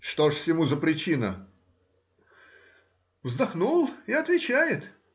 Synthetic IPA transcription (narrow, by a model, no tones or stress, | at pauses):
ʂt̪oʂsʲjɪmuzəpɾʲɪt͡ɕinə | vzd̪ɐxnulˠɪɐt̪vʲɪt͡ɕæjɪt̪